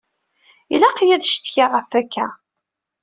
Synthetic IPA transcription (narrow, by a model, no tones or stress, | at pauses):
ilæqjæðʃt̪çaʁəfækːæ